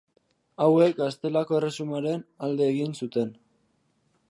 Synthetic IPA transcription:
awe̞kast̪e̞lako̞e̞re̞sumaɾe̞nald̪e̞ːɣinsut̪e̞n

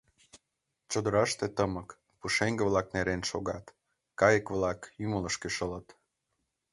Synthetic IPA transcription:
t͡ɕod̪əɾɑʃt̪et̪əmək | puʃeŋɡəβlɑkneɾenʃoɣɑt̪ | kɑjəkβlɑkymələʃkeʃələt̪

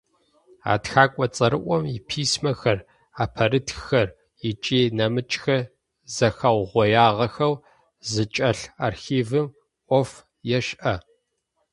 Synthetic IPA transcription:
a̰ːtxaːkʷʼɔt͡sʼɐɾɨʔʷɔmjɪpʰiːsmɐxɐr | aːpʰɐrɨtxxɐr | jɪt͡ʃʼeːnɐmɨt͡ʃʼxɐ | zɐxɐwʁʷɔjaːʁɐxɐw | zɨt͡ʃʼɐɬaːrxiːvɨm | ʔʷɔf | jɛɕʔɐ

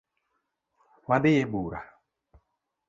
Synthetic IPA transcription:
wadɪjebuɾa̰

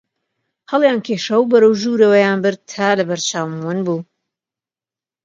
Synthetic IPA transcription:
hɐlˠjaːnkʰeːʃɐwbɐɾɐwʒuːɾɐwɐjaːnbɨɾd̪̚t̪ʰːaːlɐbɐɾt͡ʃaːwmuwənbuː

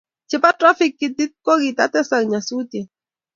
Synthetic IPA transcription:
t͡ʃɛpatɾafikːit̪it̪̚koɣit̪at̪ɛsaŋɲasut̪je

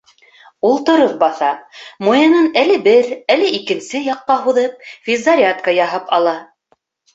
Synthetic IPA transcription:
ulˠt̪ŏɾɤp̚bɑθɑmojɤnɤnælɘbɘɾælɘikɘ̆nsɘjɑqːɑɦuðɤp̚fʲizaɾʲɪat̪kəjɑɦɤpɑlˠɑ

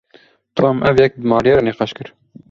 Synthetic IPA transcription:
t̪uæmʔɛvjɛk̚bɨmɑːɾjɑɾɑniːqɑʃkɨɾ

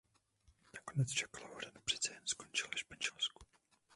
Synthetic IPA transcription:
nakonɛt͡st͡ʃɛklaoɾɛnpr̥ɛt̪t͡sɛjɛnskont͡ʃɪlaʃpaɲʒɛlsku̥

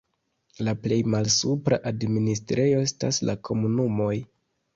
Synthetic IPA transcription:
laple̞jmalsupɾa̰ʔadministɾejo̞estasla̰kʰo̞munumo̞j

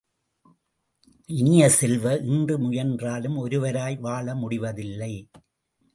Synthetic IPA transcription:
ʔɪnɪjɐsɛlʋɐʔɪɳɖɯmʊjɐndraːlɯmɔɾɯʋɐɾaːjʋaːɭɐmʊɽɪʋɐðɪlːɐɪ

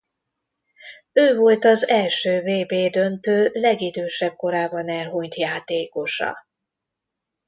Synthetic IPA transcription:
øːvo̞lt̪ɒzɛlʃøːveːbeːd̪ø̞nt̪øːlɛɡid̪øːʃɛb̚ko̞ɾaːbɒnɛlɦoɲt̪jaːt̪eːko̞ʃɒ̰

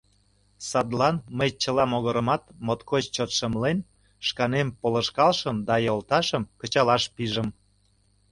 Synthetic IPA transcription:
sɑd̪lɑnməjt͡ɕə̆lɑmoɣə̆ɾə̆mɑt̪mot̪kot͡ɕt͡ɕot̪ʃə̆mlen | ʃkɑnempolə̆ʃkɑlʃəmd̪ɑjolt̪ɑʃəmkə̆t͡ɕɑlɑʃpiʒəm

